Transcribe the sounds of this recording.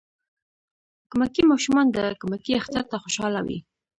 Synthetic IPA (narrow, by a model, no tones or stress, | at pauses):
kʊmakimɑʃumɑnd̪əkʊmakiaxt̪aɾt̪axoʃɑlawḭ